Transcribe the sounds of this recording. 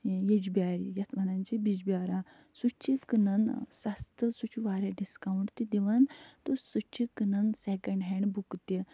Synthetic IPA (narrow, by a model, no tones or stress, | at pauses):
jed͡ʒbiaɾijɐt̪mɐnãnt͡ɕibid͡ʑbaɾa | sut͡ʃikɨnɐnsast̪əsut͡ʃʰuʋaɾeɖiskawɳʈt̪id̪iʋant̪usut͡ʃikɨnɐnsekəɳɖɦɛɳɖbukt̪i